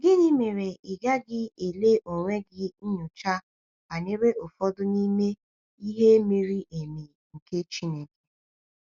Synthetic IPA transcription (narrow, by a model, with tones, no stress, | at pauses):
ɡɪ˦ni˦me˨ɾe˨ɪ˨ɡa˦ɡɪ˦e˨le˦ʔo˨ŋʷe˦ɡɪ˦ɲʊ˨t͡ʃa˦ | ba˨ne˦ɾe˦ʔo˨fɔ˦dʊ˦ni˦me˦ | i˦ɦe˦mi˦ɾi˦ʔe˨mi˨ | ŋ̩˨ke˦t͡ʃi˦ne˨ke̥˨